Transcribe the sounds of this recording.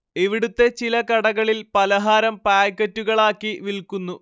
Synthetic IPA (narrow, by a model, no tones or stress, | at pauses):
iʋiɽut̪ːe̞t͡ɕilɐkɐɽɐɣɐɭilpɐlɐɦaːɾɐmpaːjkːɐtːuɣɐɭaːkːiʋilkːunːu